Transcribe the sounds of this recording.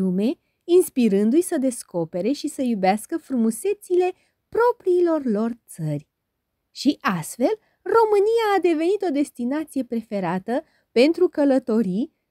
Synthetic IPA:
ume̞ | inspiɾɨnd̪ujsəd̪e̞sko̞pe̞ɾe̞ʃisəjubeaskəfɾumuse̞t̪sile̞ | pɾo̞pɾiːlo̞rlo̞rt̪sərʲ | ʃiʔast̪fe̞l | ro̞mɨnijaːd̪e̞ve̞nit̪o̞d̪e̞st̪inat̪sije̞pɾe̞fe̞ɾat̪ə | pe̞nt̪ɾukələt̪o̞ɾi

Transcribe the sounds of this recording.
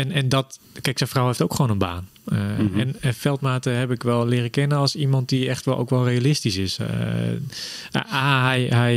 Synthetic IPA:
ɛnɛndɔt | kɛjksɛfrawheftowkχoːnənba̰ːn | ɛnənfɛlˠtmaːtəɦɛpɪkʋɛlˠlɪːrəkɪnəɔlˠsimɔnt̚diɛxtʋɛʔo̰wkʋɔlˠrejalɪstisɪs | aːɦɛjɦɛj

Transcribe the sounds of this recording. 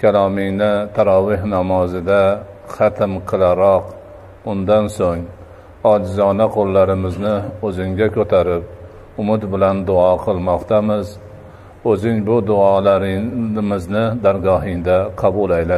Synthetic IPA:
kʲʰalˠɒmɪŋnɪt̪ʰaɾɒvɪhnamɒzɪd̪a | χat̪ʰɪmqʰɨlˠaɾɒq | ʊnd̪ansoŋ | ɒd͡ʒzɒnaqʰolˠːaɾɪmɪznɪɵzɪŋɡʲakʰʲɵt̪ʰaɾɪp̚ | ʊmɪd̪bɪland̪ʊɒqʰɨlˠmɒqt̪ʰamɪz | ɵzɪŋbʊd̪ʊɒlaɾmɪznɪd̪aɾɡɒɦɪŋd̪aqʰɑbʊlˠajla

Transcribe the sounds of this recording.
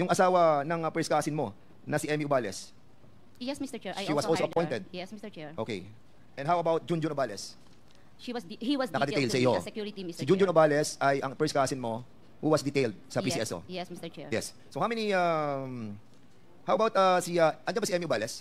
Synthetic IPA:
jʊŋʔɐsaːwɐnɐŋɐpɛɹskaːsɪnmo̞ | nɐsiʔɛmiʔʊbaːlɛs | jɛsmist̪t͡ʃɛʃiwɐsʔoloʔɐpɔjnt̪ɛd̪̚jɛɛɹʔokḛj | ʔɛ̃nhawɐbawt̪̚d͡ʒũnd͡ʒʊnobalɛs | iwhiwɐsnɐkɐd̪ɛejld̪sɐʔɪjokj̪isɪd͡ʒund͡ʒʊ̃nobaːlɛsɐjʔɐŋpɛskasɪnmo̞ | huwɐsd̪ɛt̪ejld̪̚sɐpiːsiɛso̰ɛsjɛs | sowhawmɛniam | hawɐbawt̪ɐsiɐʔɐ̃nɐ̃nbɐsiɛmiʔʊbalɛs

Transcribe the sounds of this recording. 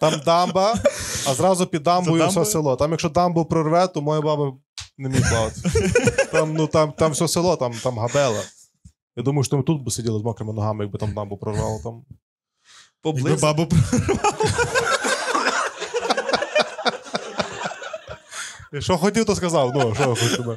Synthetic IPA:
t̪ɑmd̪ɑmbɐɐzɾɑzʊpʲid̪ɑmbɔjsʲɔselˠɔt̪ɑmjɐkʃt͡ʃɔd̪ɑmbʊwpɾɔrʋɛt̪ɔmɔjabɑbɐ | nemʲijplɑʋɐt̪e̥st̪ɑmnut̪ɑmt̪ɑmwsʲɔselˠɔt̪ɑmt̪ɑmɦɐbɛlˠɐ | jad̪umɐjʊʃt̪ɔmɪt̪ut̪̚bɪsʲedʲilˠɐzmɔkɾemɪnɔɦɑmɪjɐɡ̚bɪt̪amd̪ambʊpɾɔrʋɑlˠɐt̪ɑm | pɔblˠɪɪbɑbɐpɾɾʋɑ | jɐkʃt͡ʃɔxɔtʲiwt̪ɔskɐzɑwnuʃɔjxɔtʲimɛ

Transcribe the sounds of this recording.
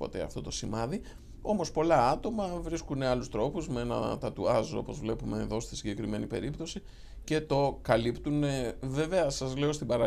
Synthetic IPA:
po̞̰t̪eɐ̰ft̪o̞t̪o̞simɐði | o̞mo̞spo̞lɐɐt̪o̞mɐvɾiskuneɐlust̪ɾo̞puzmeenɐ̰t̪ɐt̪uɐzoo̞̰po̞zvle̞pume̞ːðo̞st̪i̥siɟe̞kɾime̞nipe̞̰ɾipt̪o̞si | ce̞t̪o̞kɐlipt̪une̞ve̞ve̞ɐsɐzle̞o̞st̪ibɐɾɐ

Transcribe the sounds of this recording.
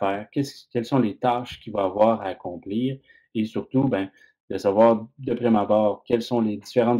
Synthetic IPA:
fɛːʁkʲɛskʲɛlsɔ̃let̪aʃkʲivãːvwaːʁaːkɔ̃pliːʁ | esyʁt̪ubɛ̃ | d̪̥əsavwaːʁd̪əpʁɛmabɑːʁkʲɛlsɔ̃led̪ifeʁɑ̃

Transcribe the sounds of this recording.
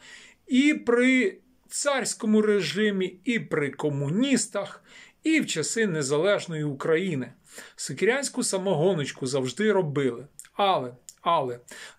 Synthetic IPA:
ipɾɪ | t̪sɑrʲsʲkɔmʊɾeʒɪmʲiipɾɪkɔmʊnʲist̪ɐx | iwt͡ʃɐsɪnezɐlˠɛʒnɔjiukɾɐjinɪ | sɪkeɾʲanʲsʲkʊsɐmɔɦɔnɔt͡ʃkʊzɐwʒd̪ɪɾɔbɪlˠɪɑlˠɛɐlˠɛ

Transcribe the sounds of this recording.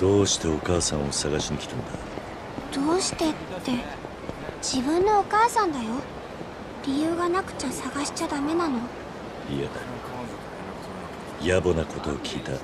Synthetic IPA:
d̪̥o̞ːɕi̥t̪e̞o̞kaːsãɰ̃o̞saɡaɕiɲ̟ikʲi̥t̪ãnd̪a | d̪̥o̞ːɕi̥t̪e̞t̪ːe̞ | d͡ʑ̥ibɯ̟̃nːo̞okaːsãnd̪ajo̞ | ɾʲijɯ̟ːɡanakɯ̟̥t͡ɕasaɡaɕi̥t͡ɕad̪ame̞nano̞ | iad̪a | jabo̞nako̞t̪o̞ːkʲʰiːt̪a

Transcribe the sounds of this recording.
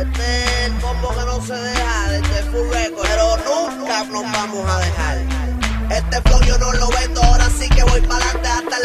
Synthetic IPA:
t̪elpomokenõseðehaðet̪epuɾekoɾonũŋkkanoɦβamosaðeɦaɾ | elt̪eflokjonoloβend̪oaoɾasikeβojpalant̪eant̪e

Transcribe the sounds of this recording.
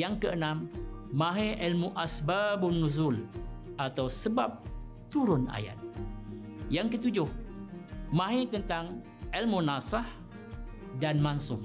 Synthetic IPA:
jaŋkəʔənãmːãɦeʔilmuʔasbabunːuzul | at̪awsəba̰p̚ | t̪uɾʊna̰ja̰t̪̚ | jaŋkət̪ud͡ʒʊh | mãɦet̪ənt̪aŋ | ʔilmunasah | danmansʊm

